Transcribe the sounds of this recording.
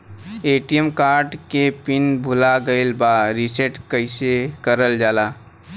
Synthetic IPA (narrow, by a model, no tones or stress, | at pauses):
eːʈijəmkaːɾɖkepɪnbʱʊlaɡəɪlbaɾiseʈkəɪsekəɾəld͡ʒaːlaː